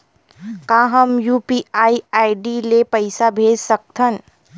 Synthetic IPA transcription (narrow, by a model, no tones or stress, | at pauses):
kãːɦɐmjuːpiːaːiaːjɖilepɐɪsabʱeːd͡ʒsɐk̚t̪ʰən